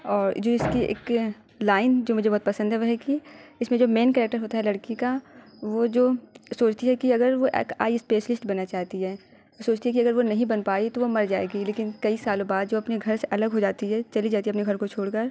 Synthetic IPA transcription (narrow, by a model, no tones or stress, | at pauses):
ɔːɾd͡ʒoːɪskiḛːk | laːɪnd͡ʒoːmʊd͡ʒʱebɔɦːt̪̚pɐsə̃nd̪ɦɛʋoɦɛkiɪsmẽd͡ʒoːmeːnkɛːɾɛːk̚ʈəɾɦoːt̪aɦɛlɐɽkika | ʋod͡ʒoːsoːt͡ʃʰt̪iɦɛkiɐɡəɾʋoʔka̰ːiɪspeːʃlɪsʈbɐnːat͡ʃaːɦt̪iɦɛː | osoːt͡ʃt̪iɦɛkiɐɡəɾʋonɐɦĩbɐnpaːit̪oʋomɐɾd͡ʒaːḛːɡileːkɪnkɐisaːlõbaːd̪̚d͡ʒoːɐpneɡʱɐɾseʔɐləɡɦod͡ʒaːt̪iɦɛt͡ʃɐlid͡ʒaːt̪iɛɐpneɡʱɐɾkot͡ʃʰoːɽkɐɾ